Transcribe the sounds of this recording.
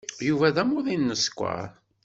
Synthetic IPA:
juvæðæmʊðˤinːəskʷːa̰ɾ

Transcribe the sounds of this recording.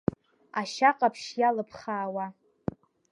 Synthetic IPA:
aʃaqʼapʰʃjalɨpʰχaːwa

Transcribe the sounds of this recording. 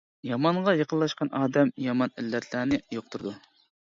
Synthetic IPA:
jɑmɑɴʁɑjɑqʰəlːˠɑʃqɑnʔɑːd̪ɛmjɑmɑnilːɛt̪ʰlæːnɪjoq̚t̪uɾd̪u

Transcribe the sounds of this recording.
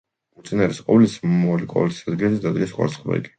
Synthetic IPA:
ut̪sʼinaɾɛsqʼɔvlismliqʼɔ̰lit̪ʰisad̪ɡilɛsd̪ad̪ɡɛsχʼwa̰ɾsχbɛ̰iɡi̥

